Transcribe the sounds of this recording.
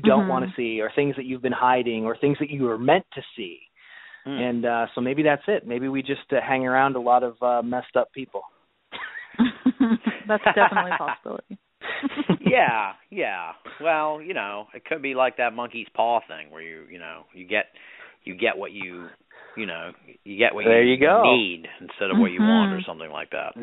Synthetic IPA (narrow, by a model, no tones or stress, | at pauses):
jɨdõʊ̃nʔwɑ̃ñɨsiə˞θɪ̃ŋzðɨt͡ʃʉvbɨ̃nhaɪɾɪ̃ŋə˞θɪ̃ŋzðɨt͡ʃɨə˞mɛ̃ntʰɨsi | ɨ̃nʌsoʊmeɪbiðætsɪt̚meɪbiwid͡ʒʌsthæ̃ŋə˞ãʊ̃ndəlɔɾʌvʌmɛstʌpʰipl̩ˠ | ðætsdɛtlipʰɑsəbɪ̰lˠə̰ɾi | jæjæwɛlˠjɨnoʊɨt̚kʰɨd̚bilaɪk̚ðɨt̚mʌ̃ŋkiz̥pʰɔθɪ̰̃ŋwə̰˞jɨ̰jɨ̰no̰ʊjɨɡɛt̚ | ɨɡɛʔwʌt͡ʃɨ | jɨnoʊ | jɨɡɛ̰ʔwʔʌə˞jɨɡoʊidn̩stɛɾʌvwət͡ʃɨwɑ̃ntə˞sʌ̃mθɪ̃ŋla̰ɪk̚ðæ̰t̚